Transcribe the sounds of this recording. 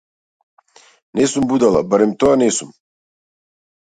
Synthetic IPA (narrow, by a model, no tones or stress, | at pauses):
neːsumbud̪ala̰baɾɛmt̪oɡaneːsum